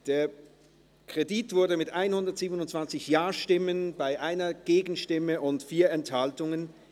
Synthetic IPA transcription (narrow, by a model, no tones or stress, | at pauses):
d̥eːɐ | kʁ̥editv̥ʊɐdəmɪtʔaɪnhʊndɐtz̥iːbənʊntsv̥ant͡sɪçjaːɐʃtɪmənbaɪʔaɪnɐɡ̥eːɡn̩ʃtɪməʔʊntfiːɐɛnthaltʊŋən